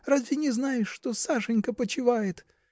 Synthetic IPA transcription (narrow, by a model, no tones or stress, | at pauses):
razʲvʲɪnʲɪznajɪʂʂt̪osaʂɨnʲkəpət͡ɕɪvajɪt̪